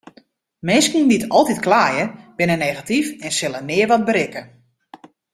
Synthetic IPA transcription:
mɪnskindiətʰɔlˠtitklaːjəb̥ɪnəneɣatifɛnsɪlˠənɪərʋɔt̚bəɾɪkə

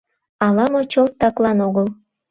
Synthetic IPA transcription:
ɑlɑmot͡ɕolt̪ːɑklˠɑnoɣəlˠ

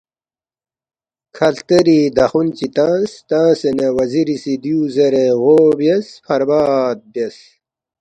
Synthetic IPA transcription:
kʰɐlt̪ɐɾid̪ɐxunt͡ɕit̪ãːst̪ãːsenɐwɐziɾisid̪juːzɐɾeɣobjespʰɐɾbaːd̪̚bjes

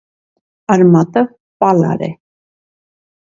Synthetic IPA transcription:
ɑɾmɑt̪ə | pɑlɑ̰ɾɛ̰

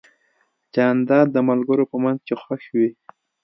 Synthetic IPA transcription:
t͡ʃɑnd̪ɑd̪̚ːəmalɡəɾopəmanzkexwaʃwi

